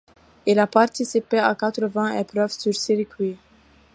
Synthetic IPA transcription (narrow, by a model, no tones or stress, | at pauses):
ilapaʁt̪isipeakat̪ɾəvɛ̃ʔepɾœvsyʁsiʁikɥi